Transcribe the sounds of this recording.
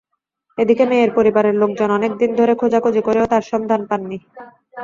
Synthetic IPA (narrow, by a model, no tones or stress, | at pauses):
ed̪ikemeːɾpoɾibaɾeɾlok̚d͡ʑonɔnek̚d̪ind̪ʱoɾekʰod͡ʑakod͡ʑikoɾeot̪aɾʃɔmd̪ʱanpanːi